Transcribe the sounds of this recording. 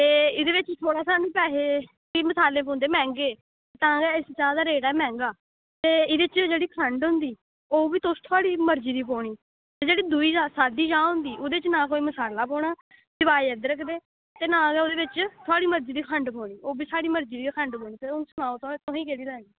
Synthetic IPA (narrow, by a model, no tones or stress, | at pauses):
t̪eːɪd̪eːʋɪt͡ʃt̪ʰoːɽaːsaːnũːpɛːɦeːkiːməsaːlẽːp̬õːnd̪eːmɛ̃ːŋɡeː | t̪eːt̪ãːɡɛːɪst͡ʃãːd̪aːɾeːɽaɛːmɛ̃ːŋɡaː | t̪eːɪd̪eːt͡ʃd͡ʒeːɽiːkʰəɳɖɦʊ̃nd̪iː | oːbiːt̪ʊst̪ʰʊaːɽiːməɾd͡ʒiːd̪iːp̬oːɳiː | t̪eːd͡ʒeːɽiːd̪uiːd͡ʒaːsaːd̪iːd͡ʒãːɦʊ̃nd̪iːʔʊd̪eːt͡ʃnãːkoːiːməsaːlaːpɔːɳ̃aː | d̪ɪbaːiɛd̪ɾəkʰd̪eː | t̪eːnãːɡɛːod̪eːʋɪt͡ʃt̪ʰʊaːɽiːməɾd͡ʒiːd̪iːkʰəɳɖpɔːɽ̃iːoːbiːsaːɽiːməɾd͡ʒiːd̪iːkʰəɳɖpõːñiːt̪eːʊnsənaːot̪õːt̪õːĩːkeːɽiːd̪ɛ̃ːɡiː